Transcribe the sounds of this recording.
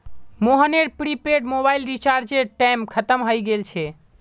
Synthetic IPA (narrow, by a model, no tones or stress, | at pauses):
moɦəneɾpɾipeɖmobailɾit͡ʃaɾd͡ʒeɾʈamkʰət̪əmɦojɡelt͡ʃʰɛ